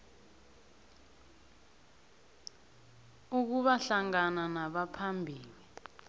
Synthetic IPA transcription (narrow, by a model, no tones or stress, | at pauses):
uk̬uɓaɬaŋananaɓapʰambʱiːli